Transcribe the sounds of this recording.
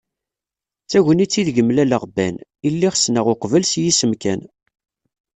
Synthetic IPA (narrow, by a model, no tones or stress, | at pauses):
t͡sːæʝənit͡sːiðʝəmlæləʁbænilːiχsnəʁoqvəlsjisəmkæn